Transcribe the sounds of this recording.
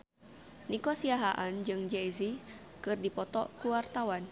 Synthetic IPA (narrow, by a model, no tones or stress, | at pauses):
nikosiaɦaʔand͡ʒɨŋd͡ʒejzi | kɨrdipɔt̪ɔ̰kuwart̪awan